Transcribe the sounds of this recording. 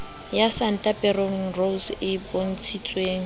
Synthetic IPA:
jasan̩tʼapʼɛroŋ̩rolsɪbon̩t͡sʰit͡sʼweːŋ̩

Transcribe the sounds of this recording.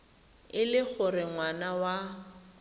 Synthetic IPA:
ɪlɪk͡xʊrɪŋwanawa

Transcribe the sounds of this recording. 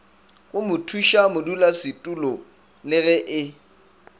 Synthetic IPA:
ɣʊmʊtʰuʃamʊdulasɪtʼulɔ | lɪɣɛʔɪ

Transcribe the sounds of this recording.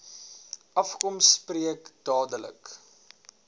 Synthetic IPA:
ʔɐfkɔmspriəkd̥ɑːdələ̰k

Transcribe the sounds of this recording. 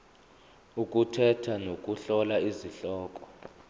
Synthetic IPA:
uk̬ʼutʰɛtʰanokʼuɬɔlaiziɬɔːkʼɔ̥

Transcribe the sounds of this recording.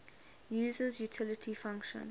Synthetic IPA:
juːzəzjutʰɪlətʰifãŋkʃə̰̃n

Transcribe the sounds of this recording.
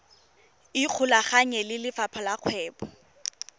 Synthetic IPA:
ɪq͡χʰʊlaχaɲɛlɪlɪfapʰalaq͡χʰwɛːbɔ

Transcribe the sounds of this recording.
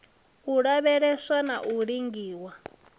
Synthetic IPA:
uɺaβɛɺɛswanaʔuɺiŋɡiːwa

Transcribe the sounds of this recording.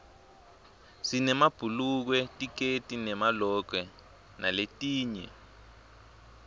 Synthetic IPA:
sinɛmab̥ʱuluk̬wɛtʼik̬etʼinɛmalɔk̬wɛ | naletʼiːɲɛ̰

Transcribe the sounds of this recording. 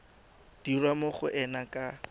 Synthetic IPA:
d̥irwamʊχʊʔɛnakʼa

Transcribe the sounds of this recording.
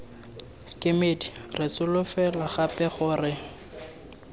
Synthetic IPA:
kʼɪmedirɪt͡sʊlʊfɛlaχapɛχʊːrɪ

